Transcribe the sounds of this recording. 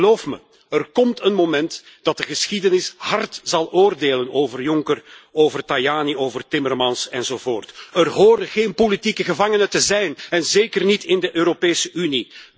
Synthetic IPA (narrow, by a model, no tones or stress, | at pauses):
loːfmə̰ | ərkɔmtənmomɛnt | d̥ɑt̚dəɣəsxidənɪshɑrtz̥ɑlˠʔoːrdeːlənoːvərjʊŋkəroːvərtajaːnioːvərtɪmərmɑnsɛnzoːvoːrtərɦoːrdəɣeːnpolitikəɣəvɑŋənətəzɛjnɛnzeːkərnitɪndəʔøːɾopeːsəʔyni